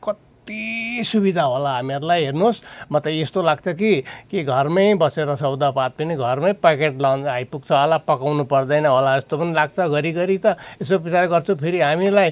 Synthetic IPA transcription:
kʌt̪ | isubid̪ʱaɦolaɦameɾulajɦernosmʌt̪ʌest̪olaɡt͡sʰʌk̬ikiɡʱʌrmʌjbʌseɾʌsʰʌwd̪apat̪̚pʌniɡʱʌrmʌjpakeʈlawnajpuɡ̚t͡sʰʌɦolapʌkawnupʌrd̪ʌjnʌɦolaest̪opʌnilaɡ̚t͡sʰʌɡʌɾiɡʌɾit̪ʌesopit͡saɾɡʌrt͡sʰupʰeɾiɦamilaj

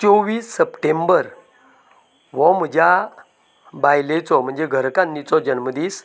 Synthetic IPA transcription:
t͡ɕoʋiːsːəpʈembəɾ | ʋɔm̤əd͡ʑja | bajlet͡sɔm̤əɳd͡zeɡʱəɾkanːit͡sɔd͡ʑənməd̪iːs

